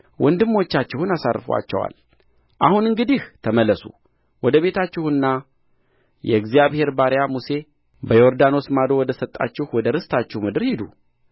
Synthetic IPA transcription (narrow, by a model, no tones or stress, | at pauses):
wʔɔnd̪ɨmːot͡ʃːat͡ʃːɪhunasa̰rːfəwa̰t͡ʃːɛ̰wa̰l | ʔahunɨŋɡɨd̪iht̪ʰəməlːəsu | wɔd̪əβe̞t̪ʰat͡ʃːɪhɨnːa | jɛ̰ɨɡzijaβhe̞ɾbaɾjamuse̞ | bəjoɾd̪ano̞smad̪o̞wɔd̪əsət̪ʼːa̰t͡ʃːɪhwɔd̪əɾɨst̪ʰat͡ʃːɪhmɨd̪ɨɾhid̪u